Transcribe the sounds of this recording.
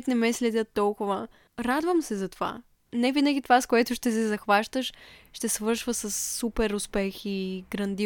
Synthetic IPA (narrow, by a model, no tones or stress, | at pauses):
ɛt̪nɛmɛslɛd̪ʲət̪ːɔlˠkʊvə | ɾad̪vəmsɛzɐt̪ova̰ | nɛvinəɡ̟ʲit̪ovaskoɛt̪ʊʃt̪ɛs̬ɛzɐxvaʃt̪əʃːt̪ɛsvɤɾʃvəsɐsːupɛɾʊspɛxiɡɾɐnd̪i